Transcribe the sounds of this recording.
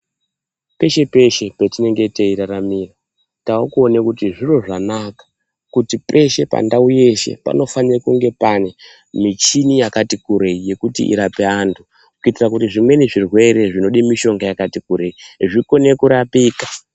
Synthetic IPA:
pe̞ʃe̞pe̞ʃe̞petine̞ŋɡe̞teiɾaramira | taukuonekutiʐiro̞ʐanakḁ | kutipe̞ʃe̞pa̰ndauje̞ʃe̞̰pa̰no̞fanirakuŋɡe̞pane̞ | mit͡ʃinijakatikuɾeije̞kutḭʔḭɾape̞antʰu | kukuitirakutiʐimwe̞neʐirwe̞ɾe̞ʐino̞ɗimiʃo̞ŋɡajakatikuɾe̞iʐiko̞ne̞kuɾapiːkḁ

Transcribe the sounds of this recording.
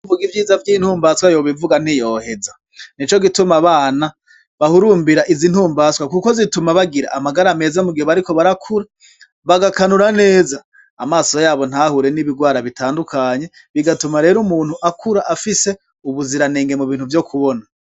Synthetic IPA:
muɡivjiːzavɟiːn̥huːmbaswajoβivuɡan̥ijo̞he̞za | nit͡ʃo̞ɡitumaβaːna | βahuɾuːmbiɾaʔizin̥huːmbaːswakuko̞zitumaβaɡiɾa̰ʔamaɡaɾame̞ːzamuɡihoβaɾiko̞βaɾakʰuɾa | βaɡakanuɾane̞ːzaː | maːso̞jaːβo̞n̥hahuɾe̞niβiɡwaːɾaβitaːndukʰaɲe̞ | βiɡatumaɾe̞ːɾumuːnhuʔakʰuɾaʔafise̞ | uβuziɾaneːŋɡe̞muβiːnhuvjo̞kʰuβona

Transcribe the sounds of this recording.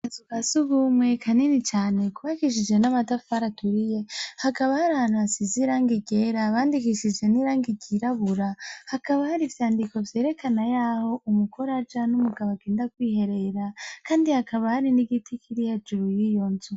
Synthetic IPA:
azukasuβumwe̞kʰaninit͡ʃaːne̞kuβakiʃ̬id͡ʒe̞namadafaɾatuɾije̞hakaβahaɾahaːn̥huasiziɾaːŋɡiɡe̞ɾaβaːndikiʃid͡ʒe̞niɾaːŋɡiɡiɾaβuɾahakaβahaɾivjaːndiko̞vje̞ːɾe̞kʰanajaːho̞ʔumukʰoɾad͡ʒanumuɡaβaɡeːndakwiːhe̞ɾe̞ɾakaːndihakaβahaɾiniɡitʰikʰiɾihed͡ʒuɾujijonzu

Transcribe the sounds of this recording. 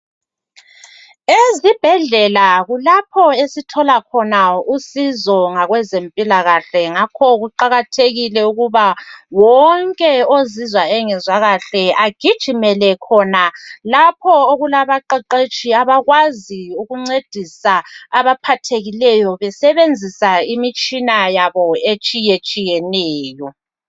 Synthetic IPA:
ezib̥ʱɛɮɛlaɣulapʰɔesitʰɔlakʰɔnausizɔŋaɣwɛzempʼilaɣaɬɛŋakʰɔɣuǃaɣatʰeɣilɛuɣuβawɔŋkʼɛozizwaɛŋɛzwaɣaɬɛaɡ̥ʱid̥ʒ̥ʱimɛlɛkʰɔnalapʰɔoɣulaβaǃɛǃet͡ʃʼiaβaɣwaziuɣuŋ͡ǀed̥ʱisaaβapʰatʰeɣilɛjɔβɛsɛβend͡zʱisaimit͡ʃʼinajaβɔet͡ʃʼijet͡ʃʼijɛnɛːjɔ

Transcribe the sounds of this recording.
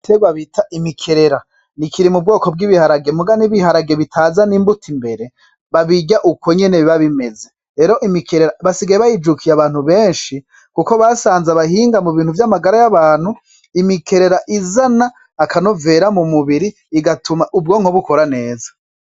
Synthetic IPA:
teβaβitʰaʔimikʰe̞ɾe̞ɾa | nikʰiɾimub̚ɡo̞ːko̞b̚ɡiβihaɾaɡe̞muɡaniβihaɾaɡeβitʰazaniːmbutʰimbe̞ɾe̞ | βaβiɟaʔuko̞ɲe̞neβiβaβime̞ze̞ | ɾe̞ːɾo̞ʔimikʰeɾeɾaβasiɡajeβajid͡ʒukʰijaβaːn̥huβe̞ːnʃi | kuko̞βasaːnzaβaɦiːŋɡamuβiːn̥huvjamaɡaɾajaβaːn̥hu | imikʰe̞ɾe̞ɾaʔizanaː | kʰano̞ve̞ɾamumuβiɾiːɡatʰumaʔubɡo̞ŋ̥hoβuko̞ɾane̞ːzḁ

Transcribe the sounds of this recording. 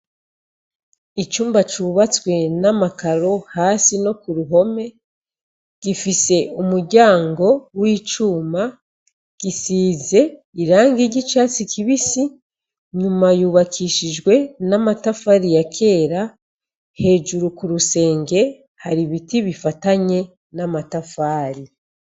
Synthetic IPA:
it͡ʃuːmbat͡ʃuːβat͡swe̞namakaɾo̞haːsino̞kuɾuɦo̞me̞ | ɡ̥ifise̞umuɾɟaːŋɡo̞wiːt͡ʃuːma | ɡ̥isiːze̞ | iɾaːŋɡiɟit͡ʃaːt͡sikʰiβisi | ɲumajuːβakʰiːʃid͡ʒɡwe̞namatafaːɾijakʰe̞ːɾa | he̞ːʒuɾukuɾuse̞ːŋɡe̞ | haɾiβitiβifataɲe̞ | namatafaːɾi

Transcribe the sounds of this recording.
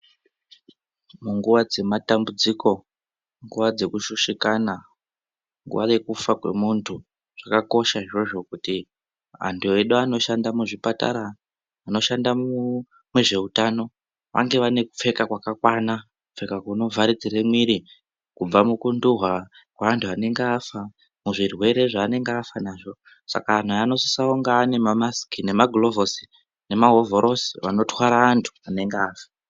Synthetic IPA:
muŋɡuʋad͡ze̞matambud͡ziko̞ | ŋɡuʋad͡ze̞kuʃuʃikana | ŋɡṵʋa̰je̞kufakwe̞̰muntʰu | ʐ̥akako̞ʃaɦiʐoʐo̞kuti | a̰ndieɗoano̞ʃandamuʐipata̰ɾaː | no̞ʃanda | mweʐe̞utano̞ | ʋa̰ŋɡe̞ʋane̞kup͡fe̞kakwakakwana | kufe̞kakuno̞vʱaɾid͡ziɾemwiɾi | kub͡vamukunduɦwa | kwaantʰuane̞ŋɡeafa | muʐirwe̞ɾe̞ʐaːne̞ŋɡeafanaːʐo̞ | sa̰kaːn̤ujano̞sisaoŋɡaːne̞mamasi̥kine̞maɡʱlovosi̥ | ne̞maɦo̞voɾʔo̞si̥ʋano̞twaɾaːntʰu̥ane̞ŋɡeaːfḁ

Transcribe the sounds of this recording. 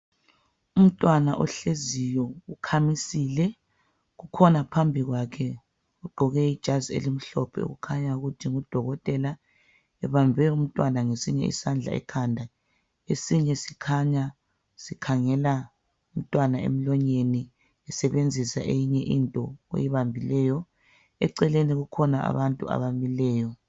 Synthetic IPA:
um̩tʼwanaʔɔɬezijɔukʰamisiːlɛ | ɣukʰɔnapʰambʱiɣwakʰɛ | uɡ͡ǃʱɔɣɛid̥ʒ̥ʱaziḛlim̩ɬɔpʰɛ̰ṵɣukʰaɲauɣutʰiŋud̥ʱɔɣɔtʼɛla | ɛβambʱɛum̩tʼwanaŋesiɲɛ̰ḭsand͡ɮʱa̰ɛ̰kʰandʱa | esiɲɛsikʰaɲa | sikʰaŋɛla | um̩tʼwanaḛm̩lɔɲeni | ɛsɛβend͡zʱisa̰ʔejiɲɛʔintʼɔḛjiβambʱilɛːjɔ | ɛ̰ǀɛleniɣukʰɔnaa̰βantʼṵa̰βamilɛːjɔ

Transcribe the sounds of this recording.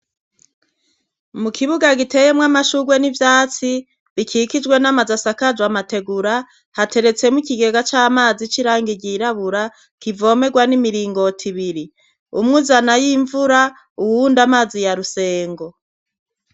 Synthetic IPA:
mukʰiβuɡaɡite̞jemŋamaʃuɡwenivjaːt͡si | βikʰikid͡ʒɡwe̞namazasakad͡ʒwamate̞ɡuɾa | hatʰe̞ɾe̞t͡se̞mukiɡe̞ɡat͡ʃaːmaːzit͡ʃiɾaːŋɡiɟiɾaβuɾa | kivo̞me̞ɡwanimiɾiːŋɡo̞tʰiβiɾi | umŋuzanajiɱvuɾa | uwundamaːzijaɾuse̞ːŋɡo̞

